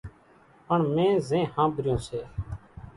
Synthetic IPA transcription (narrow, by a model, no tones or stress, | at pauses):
pəɳmẽːzẽːhãːbɾjõːseː